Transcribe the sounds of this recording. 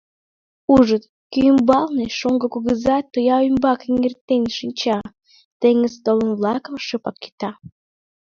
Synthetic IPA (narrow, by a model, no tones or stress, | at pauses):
uʒət̪ | kyjəmbɑlneʃoŋɡə̆kuɣəzɑt̪ojɑymbɑkiŋert̪enʲʃinʲt͡ɕɑ | t̪eŋəzt̪olənβlˠɑkə̆mʃəpɑkkːi̥t̪ɑ